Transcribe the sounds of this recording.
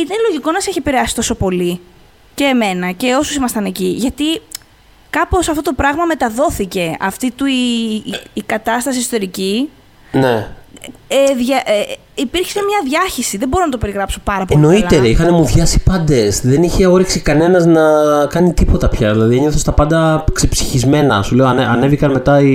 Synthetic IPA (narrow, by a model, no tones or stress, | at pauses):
it̪ɐnloʝiko̞nɐsiçepiɾeɐsi̥t̪o̞so̞po̞li | ce̞ːme̞nɐce̞o̞susimɐst̪ɐne̞ciʝɐt̪i | kɐpo̞sɐft̪ot̪o̞pɾɐɣmɐme̞t̪ɐðo̞θice̞ɐft̪it̪uiː | kɐt̪ɐst̪ɐs̬isot̪e̞ɾici | ne | eðʝɐʔ | ipiɾçi̥semɲɐðʝɐçisiðebo̞ɾonɐt̪ope̞ɾiɣɾɐpsopɐɾɐp̬ono̞ilt̪eɾeixɐne̞muðʝɐsipɐnd̪e̞sðe̞niçe̞o̞ɾiksikɐne̞nɐznɐkɐnit̪ipo̞t̪ɐpçɐðilɐðieɲoθost̪ɐpɐnd̪ɐksepsi̥çizme̞nɐsule̞oɐʔɐ̰nevikɐnme̞t̪ɐi